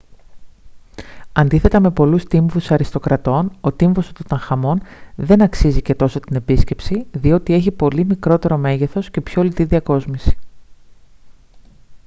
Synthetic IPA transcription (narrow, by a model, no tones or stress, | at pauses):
ɐnd̪iθe̞t̪ɐme̞po̞lust̪iɱvusɐɾist̪o̞kɾɐt̪o̞no̞t̪iɱvosot̪ot̪ɐŋxɐmo̞nðe̞nɐksizice̞t̪o̞so̞t̪ine̞pisce̞psiðio̞t̪ie̞çipo̞limikɾo̞t̪e̞ɾo̞me̞ʝe̞θo̞sce̞pço̞lit̪iðiɐko̞zmisi̥